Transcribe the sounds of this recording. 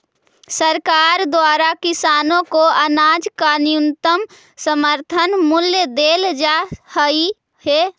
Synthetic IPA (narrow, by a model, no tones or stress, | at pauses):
səɾkaːɾd̪waːɾakɪsaːnõkoənaːd͡ʒkanijʊnt̪əm | səməɾt̪ʰənmʊljəd̪eːld͡ʒahəi | he